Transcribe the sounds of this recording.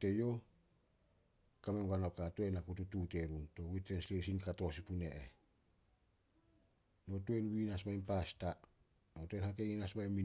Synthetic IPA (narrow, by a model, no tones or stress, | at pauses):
tejo̞ | kamenɡano̞katuenakututute̞ɾunto̞witɾenslesinkato̞sipuneʔe | no̞tuenwinasmaimpasta | no̞tuenhakeŋinasmajmi